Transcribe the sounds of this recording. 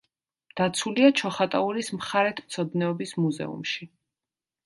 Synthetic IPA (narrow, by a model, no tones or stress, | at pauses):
d̪̥at̪sʰuliat͡ʃʰɔχat̪ʼauɾismχaɾɛt̪ʰmt̪sʰɔd̪nɛɔbismuzɛ̰ṵmʃi